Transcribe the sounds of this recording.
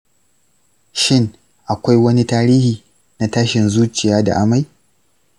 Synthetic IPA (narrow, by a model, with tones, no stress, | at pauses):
ʃɪ˦ŋ | ʔa˨kʷa˦jwɐ˦ni˦taː˦ɾiː˦hiː˨ | na˦taː˦ʃɪ˨nzuː˦t͡ʃɪ˨jaː˦da̰˨ʔa˦ma˨j